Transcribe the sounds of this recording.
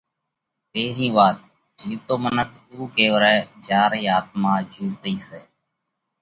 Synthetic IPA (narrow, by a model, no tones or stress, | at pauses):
peːɾĩːʋaːt̪̚ | d͡ʒiːt̪oːmənəkʰt̪uːkeːʋəɾɛːd͡ʒaːɾiːaːt̪̚mãːd͡ʒuːt̪iːseː